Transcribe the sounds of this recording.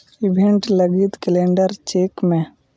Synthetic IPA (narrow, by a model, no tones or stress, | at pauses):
ibʱeɳʈləɡit̪kɪlẽːɳɖəɾt͡ʃeːkmẽ